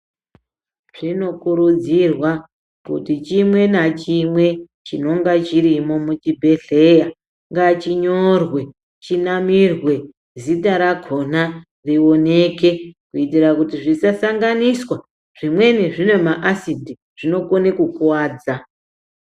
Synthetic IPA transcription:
ʐ̥ino̞kuɾud͡zirwa | kṵtit͡ʃimwe̞nat͡ʃimwe̞ | t͡ʃino̞ŋɡat͡ʃirimo̞mut͡ʃibʱe̞ɬe̞ja | ŋɡat͡ʃiɲo̞rwe̞ | t͡ʃinamirwe̞ | zitaɾaɡʱo̞n̥a | rio̞ne̞ke̞kuitirakutiʐisasaŋɡaniswa | ʐ̥imwe̞neʐinwe̞maʔasidʱi | ʐ̥ino̞konekukuwaːd͡za

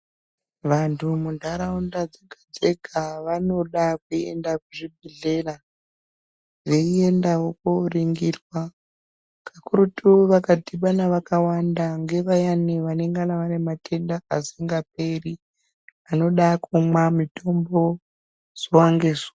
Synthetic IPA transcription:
ʋantʰumundʱaɾaundad͡zeɡʱad͡zeɡʱaʋano̞ɗakue̞̰ndakuʐibʱiɮe̞ɾa | ʐe̞ie̞ndawokoriŋɡirwa | kʰakuɾutuʋakadʱiɓanaʋakawandaŋɡe̞ʋajaniʋane̞ŋɡanaʋane̞matʰe̞ndaasiŋɡap̚e̞ri | ano̞ɗakumwamito̞mbo̞ | z̥owaŋɡeːza

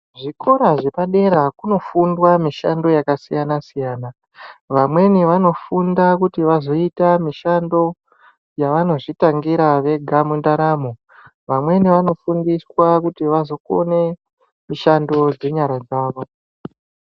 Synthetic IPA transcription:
ʐikʰo̞ɾaʐe̞paɗe̞ɾakuno̞fundwamiʃa̰ndo̞jakasijanasijaːna | ʋamwe̞niʋano̞fundakutiʋazo̞itamiʃando̞ | jaʋano̞ʐitaŋɡiɾaʋe̞ɡʱamundaɾamo | ʋamwe̞niʋano̞fundiswakutiʋazo̞ko̞̰ne̞ | miʃando̞d͡ze̞ɲaɾad͡zaːʋo̞

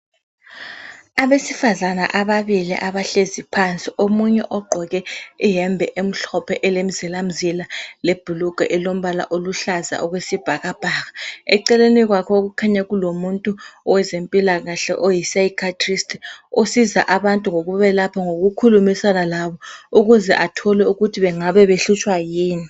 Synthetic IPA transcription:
aβesifazana̰ʔaβaβilḭʔaβaɬezipʰant͡sʼiʔomuɲɛ̰ʔɔɡ͡ǃʱɔɣɛijɛmbʱɛʔem̩ɬɔpʰɛʔɛlem̩zɛlam̩zilaleb̥ʱuluɡ̥ʱaʔɛlom̩βala̰ʔoluɬaza̰ɔɣwesib̥ʱaɣab̥ʱaːɣaɛǀɛleniɣwakʰɔoɣukʰaɲaɣulomuntʼuɔwɛzempʼilaɣaɬɛ̰ʔojisaikʰatʰʼristʰʼosiza̰ʔaβantʼuŋoɣuβɛlapʰaŋoɣukʰulumisanalaβɔuɣuzɛ̰ʔatʰɔlɛuɣutʰiβɛŋaβɛβeɬut͡ʃʼwajiːni

